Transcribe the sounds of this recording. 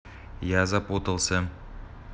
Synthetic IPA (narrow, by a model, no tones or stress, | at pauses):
jazɑpwot̪əlˠsə